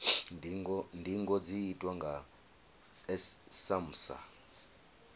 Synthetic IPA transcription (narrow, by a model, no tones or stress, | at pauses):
ndʱiŋɡɔd͡zijitʼwaŋɡʱa | ɛsam̩sa̰